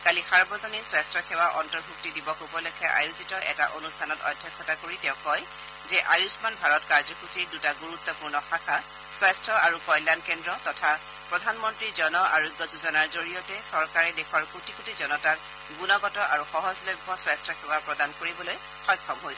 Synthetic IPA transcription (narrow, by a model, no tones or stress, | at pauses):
kalixaɹbɔzɔniswastɹɔxewaʔɔntɔɹbʱuk̚tidibɔkobɔlokʰɛʔa̰juzitɔʔɛ̰ta̰ʔonustʰanɔtɔ̰dʱjɛkʰːɔtakoɹitɛ̃ʊ̃kɔj | zɛʔajusmanbʱaɹɔtkaɹzɔkusiɹdutaɡuɹut̪ːɔpuɹnɔxakʰa | swastɹɔaɹukɔjlankɛndɹɔtɔtʰa | pɹɔdʱanmɔntɹizɔnɔʔaɹuɡjɔzuzɔnaɹzoɹijɔtɛsɔɹkaɹɛdexʰɔɹkutikutizɔnɔtak̚ | ɡunɔɡɔtɔʔaɹuxɔɦɔzlojbʱːɔswastɹɔxewapɹɔdankoɹibɔloj | xɔjkʰːɔmɦojsɛ